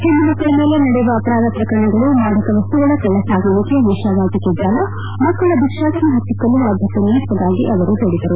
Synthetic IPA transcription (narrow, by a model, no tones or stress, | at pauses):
t̪end̪unɐkːɐɭɐmeːlenɐɽeuʋɐːpɐɾaːd̪ɐp̪ɾɐkɐɳːɐɡɐɭumaːnɐkɐʋɐst̪uɡɐɭɐkɛɭːɐsaːɡulikːeʋiʂaʋaːt̪ɐkːid̪ːaːɡɐ | mɐkːɐɭɐd̪ikʂaːsiɦɐt̪ːikːɐlːuʋaːd̪ʱɐt̪ːɐniːt̪ːɐd̪aːɡiʔɐʋɐɾut̪ɐɽid̪ɐɾu